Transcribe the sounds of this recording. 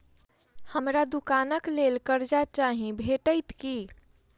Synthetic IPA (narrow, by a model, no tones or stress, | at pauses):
həmɾad̪ukanəklelkəɾd͡ʒat͡ʃaɦĩbʱeʈəjt̪ki